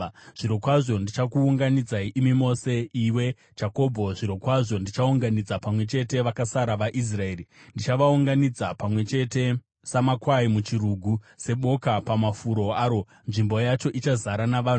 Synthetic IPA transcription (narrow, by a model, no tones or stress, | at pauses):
ʐ̥iɾo̞kwaʐo̞ndit͡ʃakuːŋɡanid͡zaiʔimimo̞se̞iwe̞ | d͡ʒako̞bʱo̞ʐiɾo̞kwaʐo̞ndit͡ʃauŋɡanid͡zapamwe̞t͡ʃe̞te̞ʋakasaɾaʋaʔis̬rae̞ːrindit͡ʃaʋauŋɡanid͡zapamwe̞t͡ʃe̞te̞ | samakwaimut͡ʃiɾuɡʱu | se̞ɓo̞kapamafuɾo̞aːɾo̞ | nʐimbo̞jat͡ʃo̞ʔit͡ʃazaɾanaʋaː